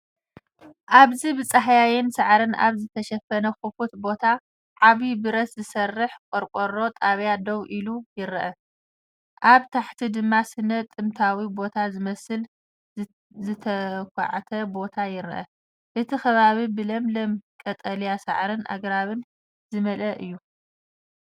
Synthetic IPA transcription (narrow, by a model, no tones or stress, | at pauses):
ʔaβzibɨt͡sʼaɦajajɪnsaʕɾɨnʔa̰βzɨt̪ʰɐʃɐfɐnɐxufut̪bo̞t̪ʰa | ʕaβibɨɾɐszɨsɐrːɨħkʷʼɔɾkʷʼoɾo̞t̪ʼaβjad̪ɐwʔilujɪɾʔɐ | ʔaβt̪ʰaħt̪ʰid̪ɨmːasɨnːɐt̪ʼːɨmt̪ʰawibo̞t̪ʰazɨmɐsɨl | zɨt̪ʰɐkʷʰa̰ʕat̪ʰɐbo̞t̪ʰajɪɾʔɐ̰ | ʔɨt̪ʰixɐβaβibɨlɐmlɐmkʼɐt̪ʼɐljasa̰ʕɾɨnʔa̰ɡɾaβɨn | zɨmɐlʔɐʔɨjːu